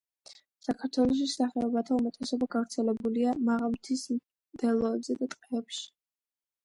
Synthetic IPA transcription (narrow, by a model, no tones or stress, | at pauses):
sakʰaɾt̪ʰwɛlˠɔʃ̬isaχɛɔbat̪ʰaumɛt̪ʼɛsɔbaɡavɾt̪sʰɛlɛbuliamaʁamt̪ʰism | d̪̥ɛlˠɔɛbzɛd̪at̪ʼqʼɛːpʃi̥